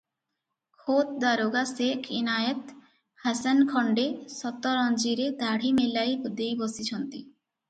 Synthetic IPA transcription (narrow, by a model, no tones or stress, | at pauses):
kʰot̪̚d̪aɾoɡasekʰinajet̪ | hasankʰɔɳɖesɔt̪ɔɾɔnd͡ʑiɾed̪ʱaɽ̤imelajd̪ejbɔsit͡ɕʰɔnt̪ḭ